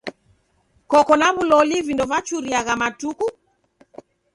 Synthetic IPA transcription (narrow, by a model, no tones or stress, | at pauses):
kɔkɔnaβulɔlivindɔvat͡ʃuɾiaɣamatuku